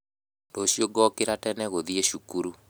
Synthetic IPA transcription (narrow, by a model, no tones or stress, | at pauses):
doɕjoɡɔkeɾatɛnɛɣoðieʃukuɾu